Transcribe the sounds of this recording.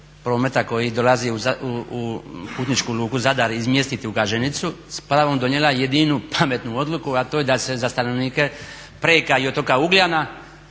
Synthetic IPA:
pɾo̞ːmet̪ako̞jid̪o̞laziuauupuːt̪nit͡ʃkuluːkuzad̪aɾizmje̞st̪it̪iuɡaʒenit̪suspɾaʋo̞md̪o̞njelˠajed̪inupʰamet̪nuo̞d̪lukuat̪oːjed̪ase̞zast̪ano̞ʋniːke̞ | pɾeːkaio̞t̪okauɡljana

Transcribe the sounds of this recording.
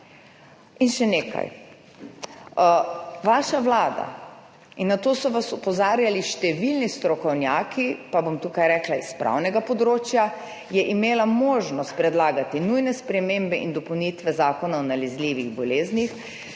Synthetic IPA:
inʃɛneːka̰j | ʋaːʃaʋlaːd̪a̰ | inːat̪oːsɔʋasupɔzaːɾjaliʃt̪ɛʋilnist̪ɾɔkɔwnjaːkʰipabomt̪ukajɾɛklaispɾa̰wnɛɡapɔd̪ɾoːt͡ʃja | jɛʔimeːlamoːʒnɔst̪̚pɾɛd̪laːɡat̪inujnɛspɾɛmembɛʔind̪ɔpɔwnit̪ʋɛzaːkɔnaɔnalɛzliːʋiɣbɔleːznix

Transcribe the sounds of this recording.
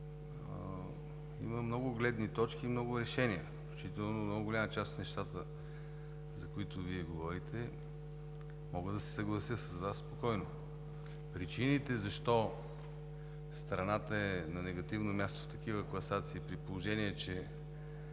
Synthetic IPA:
ḭməmnɔɡʊɡlɛd̪nit̪ɔt͡ʃkiːmnɔɡʊɾɛʃɛniəfklʲut͡ʃit̪ɛlˠnomnɔɡʊɡʊlʲamət͡ʃasot̪nɛʃt̪at̪ə | zɐkʊit̪ʊviɛɡovɔɾit̪ɛ | mɔɡəd̪ɐsɛ̥sɐɡlˠɐsəsɐzvasːpokɔjno | pɾit͡ʃinit̪ɛzɐʃt̪ɔ | st̪ɾɐnat̪əɛnɐnɛɡɐt̪ivnomʲjast̪o̥ft̪ɐk̟ivəklˠɐsat̪siːpɾitpolˠoʒɛniɛt͡ʃɛ

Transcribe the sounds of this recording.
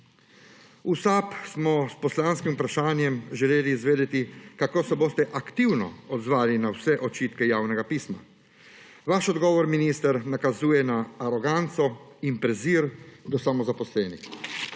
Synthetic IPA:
usaːpsmɔspɔslaːnskimupɾaʃaːnjɛmʒɛleːliːzʋeːd̪ɛt̪ikakoːsɛboːst̪ɛʔakt̪iwnɔ̰ɔd̪zʋaːlinawsɛʔɔt͡ʃiːt̪kɛjaːwnɛɡapiːsma̰ | ʋaʃɔd̪ɡɔːʋɔɾminist̪aɾnakazuːjɛnaːɾɔɡant̪sɔimpɾɛziːɾd̪ɔsamɔzapɔslɛːnix

